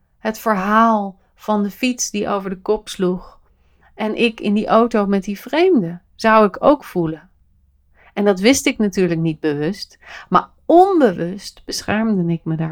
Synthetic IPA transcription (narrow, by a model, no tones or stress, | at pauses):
ɦətfəɹɦaːlˠ | v̥ɑndəfitsdiʔo̰wvəɹdəkɔpsluχ | ɛnʔɪkɪ̰ndiʔowtowmɛt̚divrejmdə | z̥ʌwɪkʰo̰wkfulən | ɛndɑtʋɪstɪknatyːɹləknid̚bəʋɵst | ma̰ːɹ | ɔnbəʋɵstb̥əsχɛɹmdənɪk̚məda